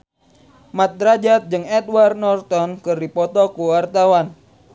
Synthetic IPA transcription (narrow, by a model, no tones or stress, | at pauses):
mat̪̚d̪ɾad͡ʒat̪̚d͡ʒɨŋɛd̪warnɔrt̪ɔnkɨrdipɔt̪ɔkuwart̪awan